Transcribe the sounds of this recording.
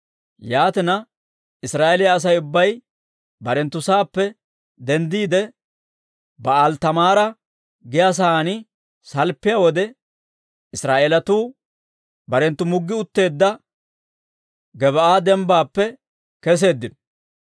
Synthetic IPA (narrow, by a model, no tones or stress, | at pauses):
jaːt̪ɪnɐ | ɪsɾaːʔelɪjaːs̬ɐjʊbːɐj | bɐɾɛnt̪ːʊsaːpːɛ | d̪ɛnd̪iːd̪ɛ | bɐalt̪ɐmaːɾɐ | ɡɪjas̬aːnɪ | sɐlpːɪjawɔd̪ɛ | ɪsɾaːʔelɐt̪uː | bɐɾɛnt̪ːʊmʊɡːɪʊt̪ːe̞ːd̪ːɐ | ɡɛβɐʔaːd̪ɛmbaːpːɛ | kɛs̬e̞ːd̪ːɪnɔ